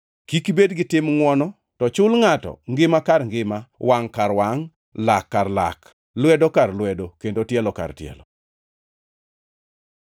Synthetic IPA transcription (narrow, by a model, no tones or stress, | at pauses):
kikibedɡɪtɪmŋwɔnɔ | tɔt͡ʃʊlŋatɔ̰ŋɡɪmakarŋɡɪmawaŋkaɾwaŋ | lakːarla̰k | lwɛdokarlwɛdokendotjɛlɔka̰rtjɛ̰lɔ